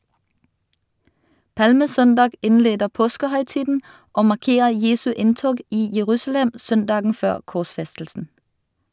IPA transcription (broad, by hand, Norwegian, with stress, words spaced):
ˈpɑlməˌsœndɑːɡ ˈɪnˌleːdə ˈpoːskəhœʏˌtiːdn̩ ˈoː mɑʁˈkeːə ˈjeːsʉ ˈɪntoːɡ ˈiː jəˈʁʉːsl̩ɛm ˈsœnˌdɑːɡŋ̍ ˈføːʁ kɔʁˈsfɛstl̩sn̩